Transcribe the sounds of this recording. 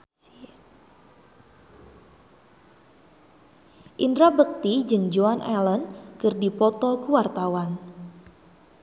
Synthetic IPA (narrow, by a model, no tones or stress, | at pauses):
ʔindɾabək̚t̪id͡ʒɨŋd͡ʒoanʔɛ̰lənkɨrdipɔt̪ɔkuwart̪awan